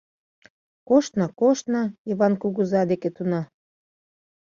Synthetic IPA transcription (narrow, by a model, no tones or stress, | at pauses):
koʃt̪nɑkoʃt̪nɑiβɑnkuɣuzɑd̪eket̪unɑ